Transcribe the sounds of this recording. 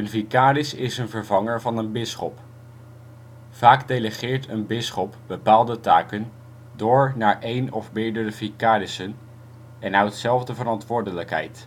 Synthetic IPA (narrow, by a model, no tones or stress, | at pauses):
ənvikaːɾɪsɪsənvəɹvɑŋəɹvɑnənbɪsχɔp | v̥aːkdejləχɪːɹtənbɪsχɔpb̥əpaːlˠdətaːkən | dʊːɹnaːɹʔejnɔ̰fmɪːɹdərəvikaːɾɪsən | ɛnaɥtsɛlˠvdəvəɾɑntʋʊːɹdələkɦɛ̰jt